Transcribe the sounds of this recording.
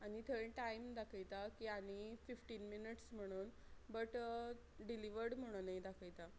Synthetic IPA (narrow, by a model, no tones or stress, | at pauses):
añit̪ʰəɭeʈaimd̪akʰəjt̪akiːañififʈiːnminiʈsm̤əɽ̃uːn | bəʈ | ɖiliʋəɾɽm̤əɽ̃unajd̪akʰəjt̪a